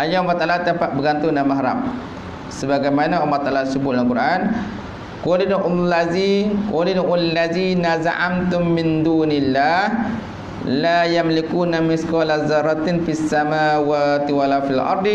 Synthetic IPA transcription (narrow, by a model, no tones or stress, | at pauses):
ʔajaumat̪ːalat̪apaʔ̪̚bəɡant̪ʊnamːaɦɾa̰p̚ | səbaɡajmanaʔumat̪ːalasəbʊt̪̚lalkuɾʔan | kulinʔlazikulinʔalːaðiːnazaʕa̰mt̪ʊmːɪnd̪uːnilːah | lajamlikunamɪskɔlazaɾˤat̪nfiasːamawat̪iwalafilʔɑ̰ɾˤd̪